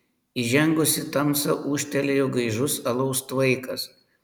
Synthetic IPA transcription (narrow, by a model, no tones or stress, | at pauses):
iʒʲɛŋɡʊsʲɪt̪ɐmsɐʔuːʃʲt̪ʲɛlʲejoɡɐɪʒʊsɐlˠɐʊst̪ʋɐɪkɐs